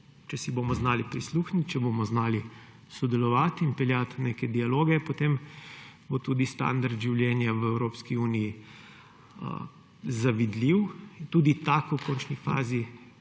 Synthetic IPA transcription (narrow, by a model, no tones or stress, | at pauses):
t͡ʃɛsiboːmɔznaːlipɾisluːxnit̪t͡ʃɛboːmɔznaːli | sɔd̪ɛlɔʋaːt̪inpɛljat̪neːkɛd̪ialoːɡɛpot̪em | bot̪uːd̪ist̪a̰nd̪aɾd̪ʒiwljɛːnjaʋəɛwɾoːpskiuːniji | zaʋid̪liwint̪uːd̪it̪akwkɔːnt͡ʃnifa̰ːzi